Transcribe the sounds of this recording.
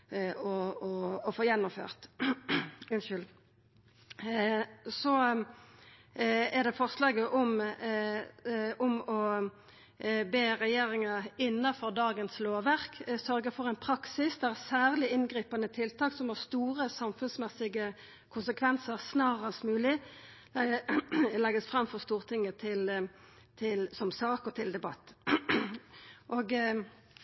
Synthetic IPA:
ɔɔːfoːjɛnːʊmfø̰ːʁt̪ | ʉnʃʏl | sɔ | ɛʁd̪ɛfɔʁslɑːɡəʔɔm | ɔmɔ | beːʁɛjeːʁɪŋɑɪnːɑfɔʁd̪ɑːɡənsloːʋæʁksœʁɡəfɔʁɛɪnpʰʁɑksɪsd̪ɛæsæːʁlɪɪnɡʁiːpɑnət̪ʰɪlt̪ʰɑːksɔmhɑst̪uːʁəsɑmfʉnsmɛsɪɡə | kʰʊnsəkʰʋɛnsəʁsnɑːʁɑsmʉːlɪ | lɛɡəsfʁɑmfɔʁst̪uːʁt̪ʰɪŋːət̪ʰɪl | t̪ʰɪlsɔmsɑːkɔt̪ʰɪld̪ɛbɑt̪ː | ʔoːɡ

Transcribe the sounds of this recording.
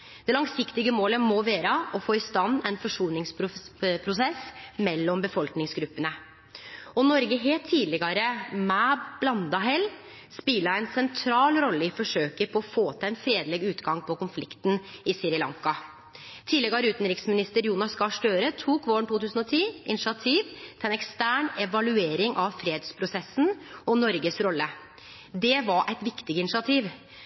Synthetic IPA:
d̪̥ɛlɑŋsɪkt̪ɪɡəmoːləmɔʋeːɾəʔɔfoːɪst̪ɑnːɛɪnfɔʂuːlnɪŋspʰɾʊsɛsmɛlːɔmbəfɔlknɪŋsɡɾʉpːənə | ɔnɔɾɡəɦeːlt̪ʰːiːlɪɡɑɾəmɛb̥lɑnd̪ɑɦɛlː | spɪləæɪnsɛnt̪ʰɾɑːlɾɔlːəɪfɔʂøːkəpʰɔɔfoːt̪ʰɛnfɾeːd̪lɛːɡʉːt̪ɡɑŋpʰɔkʊnflɪkt̪n̩ɪsɪɾɪlɑ̰ŋkɑ | t̪ʰiːdlɛɡɑɾʉːt̪n̩ɾɪksmɪnɪst̪əɾjuːnɑskɑʂʈøːɾət̪ʰuːkʋoːɳʈ̪uːt̪ʉːsən̩ɔt̪ʰiːɪnɪʂɑt̪ʰiːʋt̪ʰɛnɛkst̪æːɳɛʋɑlʉeːɾɪŋʔɑʋfɾeːd̪spʰɾʊsɛsnɔnɔɾɡəsɾɔlːə | d̪ɛʋɑɾʔɛɪt̪ʋɪkt̪ɪɡəɪnɪʂɑt̪ʰiːʋ

